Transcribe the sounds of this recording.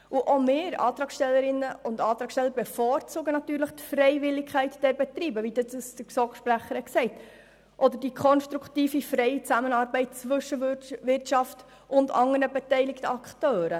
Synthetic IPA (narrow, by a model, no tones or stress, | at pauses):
ʔuʔɔmɪːɾɑ̰ːt̪ɾɑːksʃtɛlːəɾɪnːəʊndɑːt̪ɾɑːksʃtɛlːəɾbɛfɔːɾt͡suːɡənɑt̪yːɾləχt̪fɾɛɪvɪlːɪkʰχæɪtd̥ɛɾbɛt̪riːbəʋidəsəsd̥əsɔkʃpɾæχəɾəksɛɪt | ʔɔdəɾdikʰχɔnʃtɾuktiːfifɾɛɪit͡sæmənɑːɾbɛɪt̚t͡sʋɵʃəʋɪrtʃɑft | ʊndɑ̰ŋːəɾnəbɛtɛɪlɪktəɑktøːɾə